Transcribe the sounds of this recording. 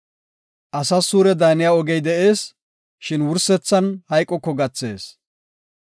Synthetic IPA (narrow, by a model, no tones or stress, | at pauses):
ʔɐsɐsuːɾɛd̪aːnɪjaːɔɡɛjd̪ɛʔe̞ːs | ʃɪnwʊɾsɛt͡sːɐnhɐjkʼːɔkːɔɡɐt͡sːe̞ːs